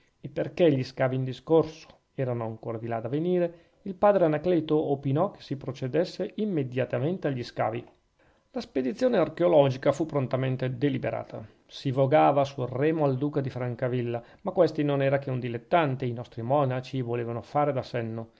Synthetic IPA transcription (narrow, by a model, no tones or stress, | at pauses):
epːerkeʎːiskaːviːnd̪iskorso̥ | ɛːɾanoaŋkoːɾad̪ilad̪aveniːɾe | ilpaːd̪ɾeanakleːt̪oopinɔk̟e̥sipɾot͡ʃed̪esːeʔimːed̪jat̪ament̪eaʎːiska̰ːvi | lasped̪it̪sːjoːnearkeolɔːd͡ʒikafupːɾont̪ament̪ed̪elibḛɾʔa̰ːt̪ʰa̰ | sivoɡaːvasurɛːmoald̪uːkad̪ifɾaŋkavilːa | makːwest̪inonɛːɾak̟eund̪ilet̪ːant̪einɔst̪ɾimɔnat͡ʃivoleːvanofaːɾed̪asɛnːo